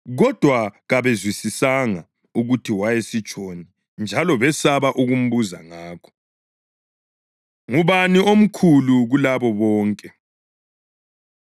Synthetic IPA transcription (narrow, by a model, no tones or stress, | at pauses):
ɣɔd̥ʱwaɣaβezwisisaŋa | uɣutʰiwajesit͡ʃʼoni | nd͡ʒʱalɔβɛsaβaʔuɣum̩βuzaŋaːkʰɔ̥ | ŋuβaniom̩kʰuluɣulaβɔβɔːŋkʼɛ